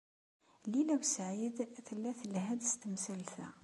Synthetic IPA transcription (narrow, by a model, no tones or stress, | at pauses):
lilæwsʕid̪θəlːæθəlɦæd̪st̪əmsæltæ